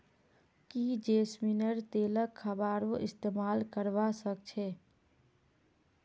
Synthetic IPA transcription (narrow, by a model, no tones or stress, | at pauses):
kid͡ʒeːsminəɾt̪eːləkʰːəbaːɾoʔɪst̪eːmaːlkəɾʋasək̚t͡ʃʰɛː